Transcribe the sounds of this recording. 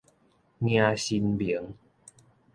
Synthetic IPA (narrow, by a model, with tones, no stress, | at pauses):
ŋi˧a˧ɕi˧nbi˨˩˦ə˦ŋ